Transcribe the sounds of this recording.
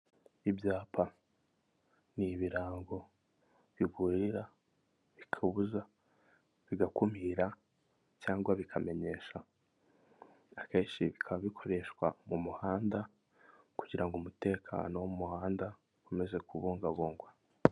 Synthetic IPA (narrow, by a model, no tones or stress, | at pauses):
ibjaːpʰa | niβiɾaːŋɡo̞ | βiɡuɾiɾa | βikʰaβuza | βiɡakumiɾa | caːŋɡwaβikʰame̞ɲe̞ːʃa | ake̞ːnʃiβikʰaββikʰo̞ɾe̞ʃwa̰mumuhaːnda | kuɟiɾaŋɡumute̞ːkʰa̰ːnowoumuhaːnda | ume̞ze̞kuβuːŋɡaβuːŋɡwa